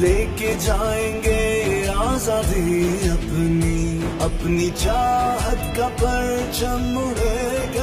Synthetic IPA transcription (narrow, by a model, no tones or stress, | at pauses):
leːked͡ʒaːẽŋɡeaːzaːd̪iɐpniɐpnit͡ʃaːɦəd̪kapəɾ | t͡ʃʰɐmuɦe | k